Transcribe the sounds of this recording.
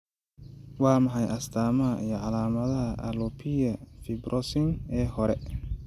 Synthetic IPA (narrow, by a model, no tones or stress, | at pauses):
aːmaɦajʔast̪aːmajaʔalaːmad̪aa̰lopʰijafibɾʔɔsinɛhɔɾɛ